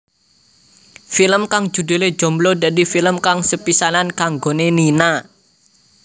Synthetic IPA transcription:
filəmkaŋd̥d͡ʒ̥ṳd̪̥e̤led̥d͡ʒ̥ɔ̤mblɔdadifiləmkaŋsəpisanankaŋɡonenina

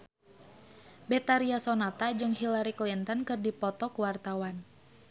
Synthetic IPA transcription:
bɛt̪aɾiasɔnat̪ad͡ʒɨŋhilaɾiklint̪ɔnkɨrdipɔt̪ɔkuwart̪awan

